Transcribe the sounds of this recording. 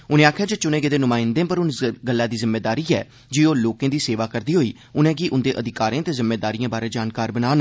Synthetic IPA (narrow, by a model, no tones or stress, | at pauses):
ʊnẽːaːkʰjaːd͡ʒoːt͡ʃʊnẽːɡeːd̪eːnʊmãːɪnd̪ẽːpəɾʊnɡəlːaːd̪iːzɪmːeːd̪aːɾiːɛ̰ː | d͡ʒiːoːloːkẽːd̪iːseːʋaːkəɾd̪iːɦoːiː | ʊnɛ̃ːɡiːʔʊnd̪eːʔəd̪ɪkaːɾẽːt̪eːzɪmːeːd̪aːɾiːjãːbaːɾeːd͡ʒaːnkaːɾbənaːn